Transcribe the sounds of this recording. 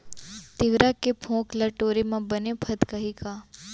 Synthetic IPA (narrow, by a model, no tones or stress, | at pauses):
t̪ɪʋɾakepʰõːklɐʈoːɾemãbənepʰɐt̪kɐɦikaː